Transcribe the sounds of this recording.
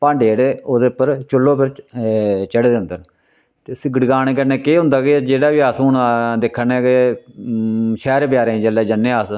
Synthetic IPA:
pãːɳɖeːɽeoːd̪eːʊpːəɾt͡ʃʊlːõːpɪɾ | t͡ʃəɽd̪eʊ̃nd̪ən | t̪eːsiːɡəɖɡaːneːkəneːkeːɦʊ̃nd̪aːked͡ʒeːɽaːʋiːaːsuːnd̪ɪkʰːənɛːke | ʃɛːɾp̬ɪjaːɾẽd͡ʒəlɛːd͡ʒənːeːaːs

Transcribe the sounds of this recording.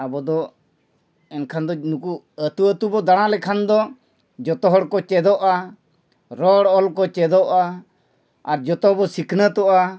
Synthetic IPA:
abɔd̪ɔ | ɛnkʰand̪ɔnuku | ət̪uət̪ubɔd̪aɽ̃ãlɛkʰand̪ɔ | d͡ʒɔt̪ɔɦɔɽkɔt͡ʃɛd̪ɔʔa | ɾɔɽɔlkɔt͡ʃɛd̪ɔʔa | aɾd͡ʒɔt̪ɔbɔsikʰnət̪ɔʔa

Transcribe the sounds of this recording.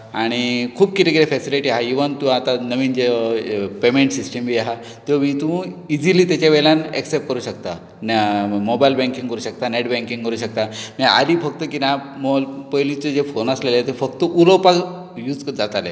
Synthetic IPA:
aɽ̃ikʰuːbkit̪ikiɾefesiliʈiaɦaiʋənt̪ũat̪anəʋiːnd͡ʑepemeɳʈsisʈəmbiaɦa | t̪omit̪ũid͡ziliːt̪at͡ɕaʋelanḛksep̚ʈ̚kəɾuːɕək̚t̪a | nmobajlbɛ̃ŋkĩŋɡkəɾuːɕək̚t̪aneʈbɛ̃ŋkĩŋkəɾuːɕək̚t̪amia̰d̪iːfək̚t̪əkinamopəjlit͡sed͡zefonəslelet̪efəkt̪əʔulopak | juːd͡zd͡zat̪ale

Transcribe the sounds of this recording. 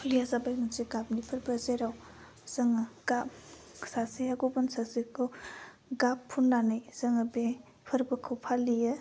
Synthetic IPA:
lijazabajmɯnsiɡap̚nipʰɐɾbəzeɾaw | z̥ɐŋɐɡ̥ap̚ | sasejaɡobɐnsazikʰɯw | ɡapʰːunːanɯjz̥ɐŋɐbe | pʰɐɾbɐkʰɯwpʰalijɐ

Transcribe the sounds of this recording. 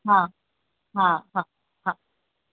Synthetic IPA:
kʰa | kaka | kʰa

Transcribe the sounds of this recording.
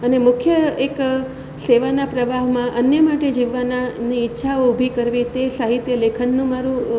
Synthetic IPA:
ənemʊkʰjəek | seʋanapɾəʋʱaɦmãʔənjəmaʈed͡ʒiʋːananiːtːʃʰaoubʱikəɾʋit̪esaɦit̪jəlekʰənːũmaɾũ

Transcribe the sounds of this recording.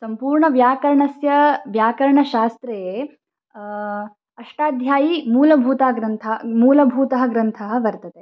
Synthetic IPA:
sɐmpuːɾɳɐʋjaːkɐɾɳɐsjɐʋjaːkɐɾɳɐʃaːst̪ɾɐjeː | ɐʂʈaːd̪ʱjaːjimuːlɐbʱuːt̪aːɡɾɐnt̪ʰɐmuːlɐbʱuːt̪ɐɦɐ̆ɡɾɐnt̪ʰɐɦɐ̆ʋɐɾt̪ɐt̪e

